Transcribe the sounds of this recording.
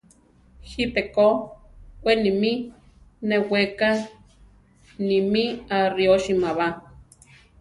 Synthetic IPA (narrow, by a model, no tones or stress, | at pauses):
hipeko | kʷenimi | neweka | nimiarioʃimaβa